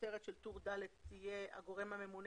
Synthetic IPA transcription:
eʁet̪ʃelt̪uʁd̪alet̪t̪ijea̰ɡo̞ʁemhame̞mun

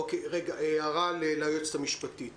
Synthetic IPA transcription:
okeʁeɡaʔeaʁalelaːjot͡st̪amiʃpat̪it

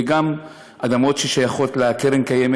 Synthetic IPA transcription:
eɡam | ʔad̪amo̞tʃeʃajaχo̞tleakeʁenkajem

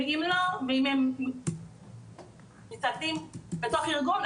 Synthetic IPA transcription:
eimloveimem | mit͡sat̪imbet̪oχiʁɡun

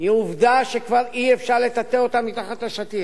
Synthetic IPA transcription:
iuvd̪aʃekvaʁiefʃaʁle̞t̪at̪eot̪amːit̪aχat̪laʃat̪i

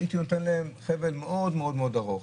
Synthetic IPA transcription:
it̪inot̪enleemχevelmeʔodmeo̞d̪meod̪aʁoχ

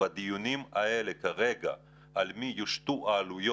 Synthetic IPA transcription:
ad̪ijunima̰e̞lekaʁe̞ɡa̰ | ʔalmijuʃt̪uʔaːlujo

